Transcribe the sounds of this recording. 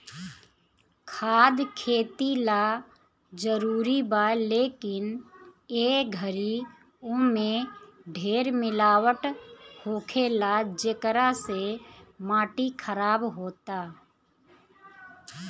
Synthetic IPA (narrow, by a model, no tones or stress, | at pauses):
kʰaːd̪kʰeːt̪ila | d͡ʒəɾuːɾibaːleːkɪneːɡʱəɾi | omẽɖʱeːɾmɪlaːwəʈhoːkʰelad͡ʒəkɾasemaːʈikʰəɾaːbɦoːt̪aː